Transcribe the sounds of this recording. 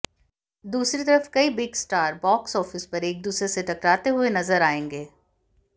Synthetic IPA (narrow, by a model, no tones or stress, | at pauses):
d̪uːsɾit̪ɐɾəfkɐibɪɡsʈaːɾbɔːksɔːfɪspɐɾeːk̚d̪uːsɾeset̪ɐkɾaːt̪eɦʊenɐzəɾaːẽːŋɡeː